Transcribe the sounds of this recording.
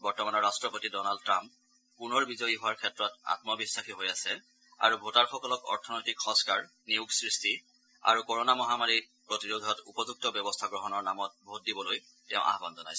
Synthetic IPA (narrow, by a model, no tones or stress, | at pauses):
bɔɹtɔmanɔɹːastɹɔpotidɔnaldtɹãmp | punɔɹbizɔjiɦʊwaɹkʰɛtɹɔta̰tmɔbisːaxiɦojasɛ | a̰ɹubʱotaɹxɔkɔlɔkɔ̰ɹtʰɔnojtikxɔ̃skaɹ | niuɡsɹisti | a̰ɹukɔɹɔnamɔɦamaɹi | pɹotiɹod̪ʱɔtupɔzuk̚tɔbjɔbɔstʰaɡɹɔɦɔnɔɹnamɔt̚bʱot̚dibɔloj | tɛʊ̃ʔa̰ɦbanzɔna̰js